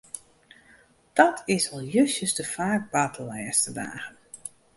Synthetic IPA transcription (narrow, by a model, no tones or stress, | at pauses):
d̥ɔtʰɪsɔlˠjøsjəsdəfaːk̚batʰəlɛːstəda̰ːɣən